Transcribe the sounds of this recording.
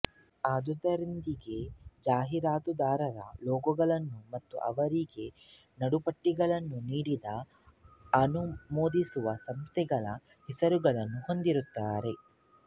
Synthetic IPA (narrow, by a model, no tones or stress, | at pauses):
aːd̪ud̪ɐɾind̪iɡe̞d͡ʒaːɦiɾaːt̪ud̪aːɾɐɾɐ̰lɔːɡuɡɐɭɐnːumɐt̪ːṵʔɐʋɐɾiɡe̞ | nɐɽupɐʈːiɡɐɭɐnːuniːɽid̪ɐ | ɐnumoːd̪isuʋɐsɐmst̪ʰɛɡɐɭɐ | hisɐɾuɡɐɭɐnːuho̞nd̪iɾut̪ːaːɾe̞